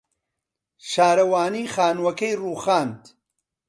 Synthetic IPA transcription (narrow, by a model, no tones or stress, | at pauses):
ʃaːɾɐwaːniːxaːnwɐkɐjruːχaːnt̪